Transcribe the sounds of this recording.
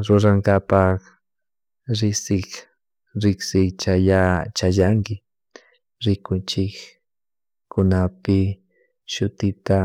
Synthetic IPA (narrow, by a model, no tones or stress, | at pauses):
ɾʊɾaŋɡapak | ɾɪsɪk | ɾɪksɪkt͡ʃajat͡ʃajaŋkɪ | ɾɪkʊnt͡ʃɪk | kʊnapɪ | ʃʊt̪ɪt̪a